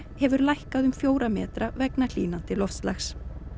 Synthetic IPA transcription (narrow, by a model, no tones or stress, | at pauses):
hɛvʏɾlajhkaðʏmfjoːwɾamɛːt̪ɾavɛknal̥ḭːnant̪ɪlɔfslaxs